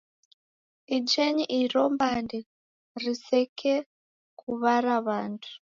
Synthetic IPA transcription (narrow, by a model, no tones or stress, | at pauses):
id͡ʒeɲiʔiɾombande | risekʰe | kuβaɾaβantʰu̥